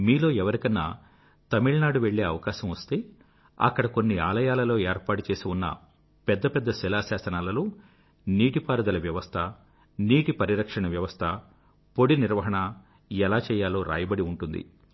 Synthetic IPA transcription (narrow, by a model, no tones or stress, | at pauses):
miːlo̞ːɛʋɐɾikɐnːa̰ː | t̪ɐmiɭɐnaːɽuʋe̞ɭːe̞ːɐʋɐkaːʃɐmʋɐst̪e̞ː | ɐ̰kːɐɽɐko̞nːiaːlɐjaːlɐlo̞ːeːɾpaːʈut͡ʃe̞ːsiunːɐ̰ | pɛd̪ːɐpɛd̪ːɐsɛlaːsaːsɐnaːlɐloː | niːʈipaːɾɐd̪ɐlɐʋjɐʋɐst̪ʰɐ | niːʈipɐɾiɾɐkʂɐɳɐʋjɐʋɐst̪ʰɐ | po̞ɽiniɾʋɐɦɐɳɐ | ɛlaːt͡ʃɛːjaːlo̞ːɾʔa̰ːjɐbɐɽiuɳʈund̪ḭ